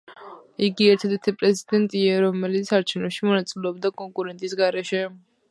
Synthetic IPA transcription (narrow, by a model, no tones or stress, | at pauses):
iɡiɛɾt̪ʰɛd̪ʰɛɾt̪ʰipʼɾɛzid̪ɛnt̪ʼiaɾɔmɛlit̪sʰaɾt͡ʃʰɛvnɔʃimɔnat̪sʼilɛɔbd̪akʼɔŋkʼuɾɛnt̪ʼisɡaɾɛʃɛ